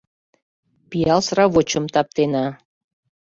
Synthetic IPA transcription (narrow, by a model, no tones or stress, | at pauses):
pijɑlsrɑβot͡ɕəmt̪ɑp̚t̪enɑ